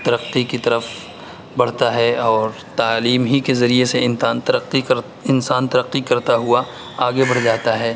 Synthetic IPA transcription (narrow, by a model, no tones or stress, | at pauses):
t̪ɐɾəqːikit̪ɐɾəf | bɐɽ̤t̪aɦɛɔːɾ | t̪aːliːmɦikezɐɾieseɪːnt̪ɐɾəikɾ | ɪnsaːnt̪ɐɾəqːikɐɾt̪aɦʊa | aːɡebɐɽd͡ʒaːt̪aɦɛː